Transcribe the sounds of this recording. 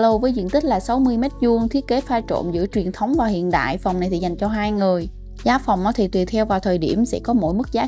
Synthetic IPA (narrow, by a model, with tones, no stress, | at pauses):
lo˨˩wvəː˨˦jzɨ̰˧˨nt̪i˦˥k̚laː˨˩sa˨˦wmɨ˧əjmɛ˦˥t̚zu˧əŋt̪ʰi˦˥ət̚ke˨˦faː˧jt͡ɕo̰˧˨mzɨ̰˧˥ət͡ɕwi˨˩ənt̪ʰə˨˦wŋ͡mvaː˨˩hḭ˧˨ənɗa̰ː˧˨jfwŋ͡mna˨˩jt̪ʰi˨˩za˨˩jŋ̟t͡ɕɔ˧ɦaː˧jŋɨ˨˩əj | zaː˨˦fa˨˩wŋ͡mʔɔ˨˦t̪ʰi˨˩t̪wi˨˩t̪ʰɛ˧wvaː˨˩wt̪ʰəː˨˩jɗi˧˩əmsɛ̰˧˥kɔ˨˦mo̰˧˥jmɨ˦˥k̚zaː˨˦